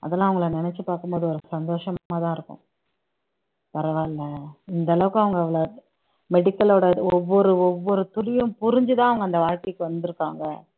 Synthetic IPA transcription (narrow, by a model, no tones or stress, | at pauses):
ɐ̰ðɐlːãːʋɐŋɡɐɭɐnɪnɛt͡ʃːɯpaːɾkɯmpoːðɯɔɾɯsɐnd̪oːʂɐmmːaːt̪ãːɪɾɯkːʊ̰̃ | pɐɾɐʋaːɪlːɐɪnd̪ɐlɐʋɯkːɐʋɐŋɡɐʋːɐɭo | mɛɽɪkːɐloːɽɐɔʋːɔɾɯɔʋːɔɾɯt̪ʊlɪjɯ̃mpʊɾɪɲd͡ʒɯt̪ãːɐʋɐŋɡɐnd̪ɐʋaːɻkekːɯʋɐnd̪ɯɾɯkːa̰ːŋɡɐ̰